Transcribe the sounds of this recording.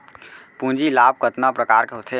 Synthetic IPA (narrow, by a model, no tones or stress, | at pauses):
pũːd͡ʒilaːb̚kət̪napɾəkaːɾkeɦot̪ʰe